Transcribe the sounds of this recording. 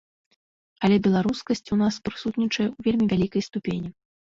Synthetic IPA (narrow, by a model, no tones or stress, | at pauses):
ɐlʲɛbʲɛlˠaɾuskɐsʲt͡sʲunaspɾɨsut̪ʲnʲit͡ʂɐjɛuvʲelʲmʲivʲalʲikɐjst̪upʲenʲi